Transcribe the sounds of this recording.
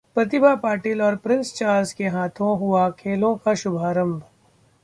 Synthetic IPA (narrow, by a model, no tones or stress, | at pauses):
pɾɐt̪̬ɪbʱapaːɾʈiːlɔːɾpɾɪ̃nst͡ʃaːɾzkeɦaːt̪ʰõɦʊakʰeːlõkaʃʊbʱaːɾə̃mbʱ